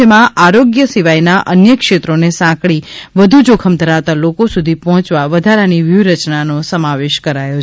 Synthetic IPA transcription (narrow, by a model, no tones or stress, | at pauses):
emãaɾoɡjəsiʋajnaʔənjəkʃet̪ɾonesãkɭiʋəd̪ʱud͡ʒokʰəmd̪ʱəɾaʋt̪alokosud̪ʱipɔɦɔ̃t͡ʃʋaʋəd̪ʱaɾaniʋjuɾət͡ʃnanosəmaʋeʃkəɾajo